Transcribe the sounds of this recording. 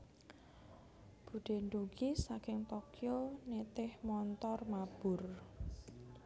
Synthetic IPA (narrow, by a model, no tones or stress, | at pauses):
b̥ṳɖ̥e̤ɳɖuɡisakɪŋt̪ɔkjonet̪ɪhmɔnt̪ɔrmab̥ʊ̤r